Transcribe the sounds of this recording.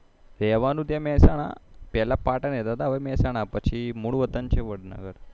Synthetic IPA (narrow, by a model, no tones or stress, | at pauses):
ɾɛʋanud̪jamɛsaɽ̃a̰pɛlapaʈanjet̪at̪aʋəmɛsaɽ̃apət͡ɕʰimuɽʋət̪ənt͡ɕeʋəɽnə̰ɡəɾ